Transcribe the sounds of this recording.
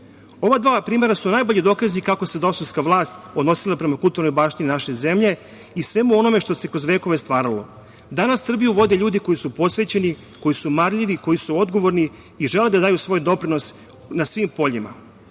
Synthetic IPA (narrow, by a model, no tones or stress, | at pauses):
o̞ʋad̪ʋaːpɾiːme̞ɾasunajbo̞ʎid̪o̞ːkazikako̞se̞d̪osonskaʋlˠaːst̪o̞d̪no̞silˠapɾe̞makulˠt̪uɾno̞jbaːʃt̪ininaʃe̞ze̞mʎe̞ | isʋe̞muo̞no̞me̞ʃt̪o̞se̞kɾozʋeːko̞ʋest̪ʋaːɾalo̞̰ | d̪anasːr̩bijuʋo̞d̪eʎuːd̪iko̞jisupo̞sʋe̞t͡ɕe̞ni | ko̞jisumaɾʎiʋiko̞jisuo̞d̪ɡo̞ʋo̞ɾni | iʒe̞le̞d̪ad̪aːjusʋo̞ːjd̪o̞pɾino̞s | nasʋimpo̞ʎima̰